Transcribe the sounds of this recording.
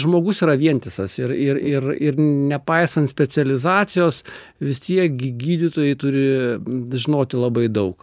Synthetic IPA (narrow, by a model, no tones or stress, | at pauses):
ʒmoːɡʊsiːɾɐʋʲiɛnʲt̪ʲɪsɐsɪɾɪrɪrɪrnʲɛpɐɪsɐnt̪sʲpʲɛt͡sʲɛlʲɪzɑːt̪sʲɪjoːs | ʋʲɪst̪ʲiɛk̚ɡʲɪɡʲiːd̪ʲɪt̪oːjɛɪt̪ʊɾʲɪʒʲɪnoːt̪ʲɪlˠɐbɐɪd̪ɐʊk